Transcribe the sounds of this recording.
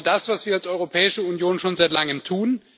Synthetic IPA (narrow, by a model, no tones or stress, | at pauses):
dasv̥asv̥iːɐalsʔɔʏʁopʰɛːɪʃəunjoːnʃoːnzaɪtlaŋəmtʰuːn